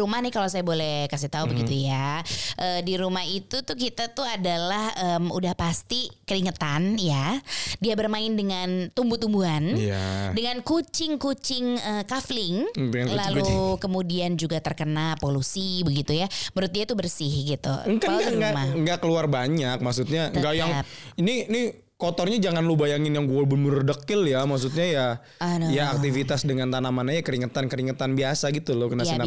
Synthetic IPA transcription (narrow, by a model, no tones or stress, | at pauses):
umahnɪhkalasajabolɛhkas̬iht̪aubəɡit̪ujaʔəːdiɾumaɦit̪ut̪ʊhk̬it̪at̪uadalahəmudahpast̪ikəɾiŋət̪anjadiabərmaɪndəŋant̪umbut̪umbuanj̰dəŋankut͡ʃɪŋkut͡ʃɪŋəkaflɪŋlalukəmudiand͡ʒuɡat̪ərkənapolusibəɡit̪ujabəɾʊt̪̚diait̪ubərsɪhɡit̪ṵəŋkaɡŋɡamaŋɡakəluarbaɲak̚maksut̪̚ɲaŋɡajaŋiniini | kɔt̪ɔrɲad͡ʒaŋanluhbajaŋɪnjaŋɡuabəmərdəkɪljamaks̬ut̪̚ɲaja | anojaːk̚t̪ifit̪asdəŋant̪anamanajakəɾiŋət̪ankəɾiŋət̪anbiasaɡit̪ulʊkənasina